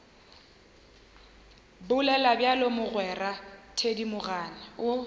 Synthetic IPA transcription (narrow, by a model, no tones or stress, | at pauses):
bʊlɛlabjalomʊɣwɛratʰedimʊɣaːnɪʊ